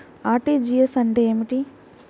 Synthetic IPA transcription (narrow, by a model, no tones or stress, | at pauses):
aːʈid͡ʒijesɐɳɖeeːmiʈi